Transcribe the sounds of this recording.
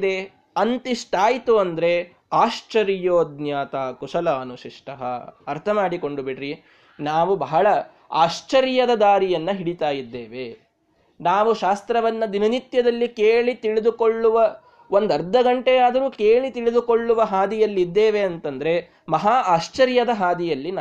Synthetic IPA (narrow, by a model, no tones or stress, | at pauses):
d̪e | ɐnt̪iʂʈaːjit̪uɐnd̪ɐɾe̞ | aːʃt͡ʃɐɾjoːd̪njaːt̪aːkuʂɐlaːnuʃiʂʈɐɦɐ̰ɐɾt̪ʰɐmaːɽiko̞ɳɖubiʈɾi | naːʋubɐɦɐɭɐ | a̰ːʂt͡ʃɐɾjɐd̪ɐd̪aːɾijɐnːɐɦiɽit̪aːjid̪ːeːʋe | naːʋuʃaːst̪ɾɐʋɐnːɐd̪inɐnit̪jɐd̪ɐlːikeːɭit̪iɭid̪uko̞ɭːuʋɐ | ʋo̞nd̪ɐɾd̪ːɐɡɐɳʈejaːd̪ɐɾuːkeːɭit̪iɭid̪uko̞ɭːuʋɐɦaːd̪ijɐlːid̪ːeːʋeɐnt̪ɐnd̪ɐɾe̞ | mɐɦaːaːʃt͡ʃɐɾjɐd̪ɐɦaːd̪ijɐlːin